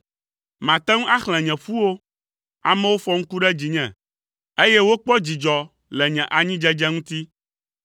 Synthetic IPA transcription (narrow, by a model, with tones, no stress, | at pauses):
mã˨t̪ɛ˦ŋũ˦ʔa˦xl̃ɛ̃˨ɲɛ̃˨ɸu˦wo˦ | a̰˨mɛ̃˦wo˦fɔ˦ŋ̩̃˦ku˦ɖɛ˦d͡ʑi˨ɲɛ̰̃˨ | e˦je˦wo˦k͡pɔ˦d͡ʑi˨d͡ʒɔ˨ | lɛ˨ɲɛ̃˨ʔa˨ɲĩ˦d͡ʒɛ˦d͡ʒɛ˦ŋũ˦t̪i˦